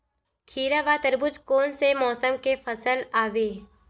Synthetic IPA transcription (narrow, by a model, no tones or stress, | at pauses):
kʰiːɾaʋaːt̪əɾbʊt͡ʃkoːnsemɔːsəmkefɐsəlaːʋeː